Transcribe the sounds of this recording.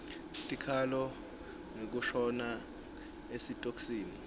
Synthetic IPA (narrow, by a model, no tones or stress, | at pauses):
tʼikʰalɔ | ŋek̬uʃɔna | esitʼoksiːni